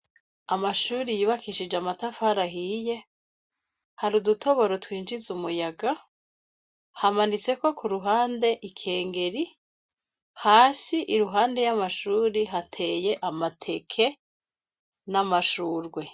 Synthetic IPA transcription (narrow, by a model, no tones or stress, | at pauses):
amaʃuːɾijiβakiʃid͡ʒamatafhaɾaɦije̞ | haɾuduto̞βo̞ɾo̞twiːnd͡ʒizumujaɡa | hamanit͡se̞ko̞kuɾuɦaːnde̞ʔikʰe̞ːŋɡe̞ɾi | haːsiʔiɾuɦaːnde̞jamaʃuːɾiɦatʰe̞je̞ʔamatʰe̞kʰe̞ | namaʃuːɾɡwe̞